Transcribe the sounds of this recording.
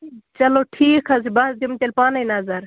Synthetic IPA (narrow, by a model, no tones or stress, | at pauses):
t͡ʃɐloʈʰiːkʰɐzibɐsd̪imt̪ʲɐlpaːnɐjnɐzɐɾ